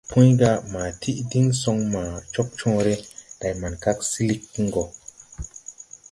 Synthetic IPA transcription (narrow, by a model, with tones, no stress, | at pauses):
pʰũ˦jɡa˧ma˨tʰi˦ʔdi˦ŋso˧ŋma˨t͡ʃo˦k̚t͡ʃɔ̃ː˦ɾe˦d̥a˨jma˨nka˦ksi˦li˦kːi˦ŋɡo˨